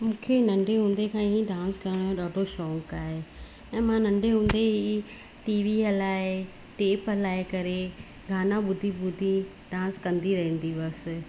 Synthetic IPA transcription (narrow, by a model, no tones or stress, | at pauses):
mũːkʰenɐ̃ɳɖʱeɦũːn̆d̪ekʰãːɦiɖãːnskɐɾəɽ̃õɗaːɖʱoʃɔːŋkaːɦe | ɛ̃ːmãnɐ̃ɳɖʱeɦũːn̆d̪eɦi | ʈiːʋiɐlaːɪ | ʈeːpɐlaːɪkɐɾe | ɡʱaːnãɓʊd̪ʱibʊd̪ʱĩ | ɖãːnskɐ̃nd̪iɾɐɦĩnd̪iʋɐs̆